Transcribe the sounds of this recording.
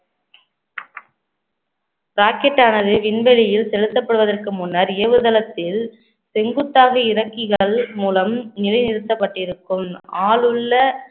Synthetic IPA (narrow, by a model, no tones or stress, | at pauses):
ɾaːkɛʈːaːnɐðɯʋɪɳbɛlɪjɪlsɛlɯt̪ːɐpːɐɽɯʋɐðɐrkɯmʊnːɐɾɪɐʋɯðɐlɐt̪ːɪl | sɛŋɡɯt̪ːaːɣɐɪɾɐkːɪɣɐɭmuːlɐmnɪlɐɪnɪɾɯt̪ːɐpːɐʈːɪɾɯkːɯmaːlɯɭːɐ